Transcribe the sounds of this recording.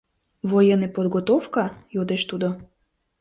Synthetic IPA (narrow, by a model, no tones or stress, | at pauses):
vojenepod̪ɣot̪ofkɑjod̪eʃt̪ud̪o